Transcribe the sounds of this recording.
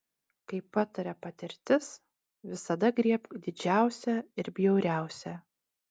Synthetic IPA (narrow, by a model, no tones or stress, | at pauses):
kɐɪpːɑt̪ɐɾʲɛpɐt̪ʲɪɾʲt̪ʲɪs | ʋʲɪsɐd̪ɐɡɾʲiɛpd̪ʲɪd͡ʒʲæˑʊsʲɛɪɾbʲjɛʊɾʲæˑʊsʲɛ